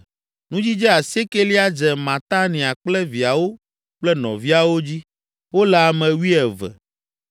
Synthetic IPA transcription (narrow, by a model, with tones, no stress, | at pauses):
nũ˦d͡ʑi˦d͡ʒɛ˦a˨se˦ke˦li˦a˦d͡ʒɛ˨mã˨t̪a˦nĩ˨a˨k͡plɛ˦vi˨a˨wo˦ | k͡plɛ˦nɔ̰̃˨vi˦a˨wo˦d͡ʑi˦ | wo˦lɛ˨a˨mɛ̃˨wi˦ɛ˨vɛ̰˨